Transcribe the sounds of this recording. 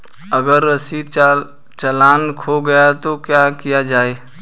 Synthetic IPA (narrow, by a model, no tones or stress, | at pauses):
əɡəɾɐsiː | t͡ʃɐlaːnkʰoɡɐjat̪okjakijad͡ʒaːeː